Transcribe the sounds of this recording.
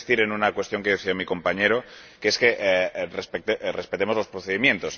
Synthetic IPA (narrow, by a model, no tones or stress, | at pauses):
st̪iɾenunakwe̞st̪jo̞ŋkeðeθiamiko̞mpaɲeɾo̞keskeʔrespet̪erespet̪emo̞zlo̞spɾoθeðimjẽ̞nt̪o̞s